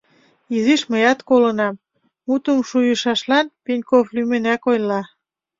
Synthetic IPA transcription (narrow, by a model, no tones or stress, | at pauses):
iziʃməjɑt̪kolə̆nɑm | mut̪əmʃujə̆ʃɑʃlɑnpenʲkoflymenækojlɑ